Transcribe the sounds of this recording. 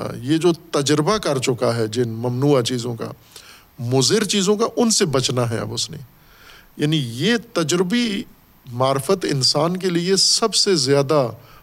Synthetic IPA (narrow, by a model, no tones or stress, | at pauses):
jed͡ʒoːt̪ɐd͡ʒɾbakɐɾt͡ʃʊkaɦɛd͡ʒɪnmɐmnuːat͡ʃiːzõka̰ | mʊzɪɾt͡ʃiːzõkaʔʊnsebɐt͡ʃnaɦɛ̰ɐ̰bʊsnḭ | jaːnijet̪ɐd͡ʒɾɪbi | maːɾfət̪ɪ̰nsaːnkeliesɐbsezjaːd̪a